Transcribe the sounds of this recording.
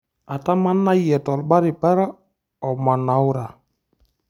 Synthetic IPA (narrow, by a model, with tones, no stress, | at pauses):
a˨ta˦ma˦nːa˦jɛ˨tɔ˨lba˦ɾi˨pɛ˦ɾa˦ | ɔ˨ma˨na˨˦wu˦ɾa˨